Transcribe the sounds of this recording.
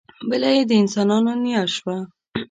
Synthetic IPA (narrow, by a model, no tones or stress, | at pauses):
bəlajed̪əɪnsɑnɑnonijaʃwa